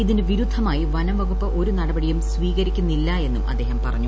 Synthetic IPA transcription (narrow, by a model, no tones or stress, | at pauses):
iðinɨʋiɾud̪ʱːɐmaːjiʋɐnɐmʋɐɣupːɐʔoɾunɐɽɐbɐɽijumsʋiːɣɐɾikʲːunːilːɐe̞nːumʔɐ̰d̪ːe̞ːɦɐmpɐrɐɲːu